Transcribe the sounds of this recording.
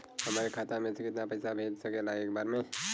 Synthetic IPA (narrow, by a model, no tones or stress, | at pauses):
həmaɾekʰat̪amẽsʰekɪt̪napəɪsabʱed͡ʒsəkelaɦeːk̚baɾme